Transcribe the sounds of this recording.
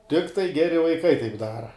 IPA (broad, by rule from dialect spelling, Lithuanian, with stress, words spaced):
ˈtʲɪktɐɪ ˈɡʲæːrʲɪ ʋɐɪˈkɐɪ tɐɪp ˈdɑːrɐ